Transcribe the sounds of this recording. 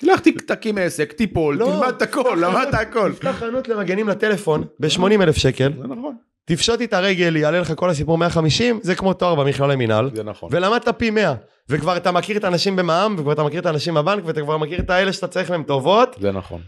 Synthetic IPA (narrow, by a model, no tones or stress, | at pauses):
t̪ilaχt̪ikt̪akimesekt̪ipolloimad̪̚t̪akolːamad̪t̪aako̞ltaχanut̪leʁaɡe̞nimlat̪e̞le̞fo̞nbeʃmo̞nimelefʃe̞ke̞lzenaχon | t̪ifʃot̪et̪aʁe̞ɡe̞lialeleχako̞lhas̬ipuʁme̞aχamiʃimzekmo̞t̪oaʁbamiχlalemina̰lzena̰χo̰velamad̪̚t̪apime̞a | vekvaʁat̪amakiʁet̪aːnaʃimbe̞maamvekvaʁat̪amakiʁet̪aːnaʃimbabaŋkveat̪akvaʁmakiʁet̪aeleʃat̪at͡saʁiχmeemt̪o̞vo̞t̪zḛna̰χo̰n